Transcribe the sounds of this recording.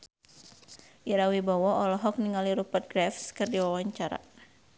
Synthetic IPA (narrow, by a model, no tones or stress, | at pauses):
ʔiɾawibawɔɔlɔɦɔk̚niŋaliɾupət̪̚ɡɾɛfskɨrdiwawaɲt͡ʃaɾa̰